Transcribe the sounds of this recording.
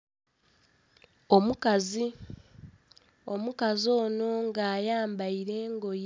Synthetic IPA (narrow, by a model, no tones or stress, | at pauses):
o̞mukazi | o̞mukazo̞ːno̞ŋɡaːjaːmbaiɾe̞ːŋɡo̞j